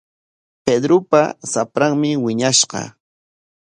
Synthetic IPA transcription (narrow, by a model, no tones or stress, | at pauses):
ped̪ɾʊpa̰sapɾaŋmɪwɪɲaʃqɑ̰